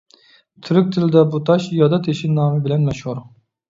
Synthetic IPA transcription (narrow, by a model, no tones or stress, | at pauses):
t̪ʰyɾyk̚ʲt̪ʰɪlɪd̪ɛbut̪ʰɑʃjɑd̪ɑt̪ʰeʃinɑːmɨbɪlɛnmɛʃhuɾ